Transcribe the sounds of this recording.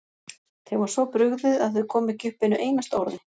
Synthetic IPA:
θeɣvɔɾ̥svɔpɾʏɣðɪðaðθʏkʰɔːmɪcʏhpɪnʏʔeːjnast̪awɾðɪ

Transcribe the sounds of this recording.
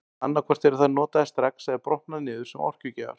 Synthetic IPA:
a̰nːaɾkʰvɛr̥t̪ɛɾʏθaðnɔːt̪aðɛst̪ɾɛksɛðapɾɔhpnaðnɪːðʏɾ̥sɛmɔ̰r̥cʏcɛːva̰ɾ̥

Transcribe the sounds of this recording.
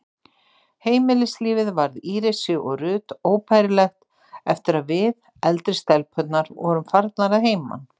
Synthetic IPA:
heːjmɪlɪsliːvɪðvaɾðiːɾɪsʏʔɔɣrʏːt̪oːwpʰajɾɪlɛxt̪ | ɛft̪ɪɾaðvɪð | ɛlt̪ɾɪst̪ɛlpʰœt̪naɾvɔ̰ɾʏmfaɾt̪naɾaðɦeːjma̰n

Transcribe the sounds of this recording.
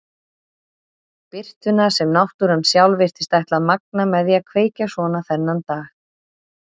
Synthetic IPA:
pɪr̥t̪ʏnasɛmnawht̪ʏɾansjawlvɪr̥t̪ɪ̥st̪ajht̪laðmak̚namɛðjɛakʰveːjcasvɔːnaθɛnːant̪aːx

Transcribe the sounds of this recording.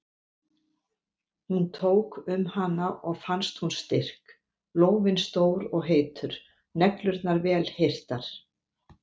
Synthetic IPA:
hunt̪ʰoːwkʏmhanːaʔɔɣfanst̪hunst̪ɪr̥k | loːwvɪnst̪oːwɾɔɣɦeːjt̪ʏɾ̥ | nɛklʏɾt̪naɾvɛːlhejr̥t̪aɾ̥

